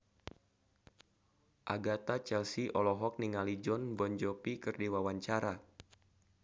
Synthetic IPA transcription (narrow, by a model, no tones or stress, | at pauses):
ʔaɡat̪at͡ʃɛlsiʔɔlɔɦɔk̚niŋalid͡ʒɔnbɔɲd͡ʒɔpikɨrdiwawaɲt͡ʃaɾa